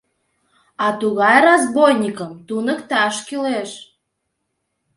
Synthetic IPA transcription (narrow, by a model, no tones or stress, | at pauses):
ɑt̪uɣɑjrɑzbojnʲikəmt̪unəkt̪ɑʃkyleʃ